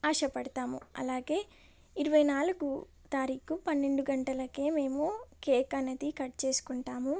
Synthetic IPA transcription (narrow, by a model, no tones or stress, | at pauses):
aːʂɐpɐɽɐt̪aːmuɐ̰laːɡe̞ː | iɾuʋɐjnaːluɡu | t̪aːɾiːkupɐnːe̞ɳɖuɡɐɳʈɐlɐkeːme̞ːmukeːkɐnɐd̪ikɐʈ̚t͡ʃe̞ːsu̥kuɳʈaːmu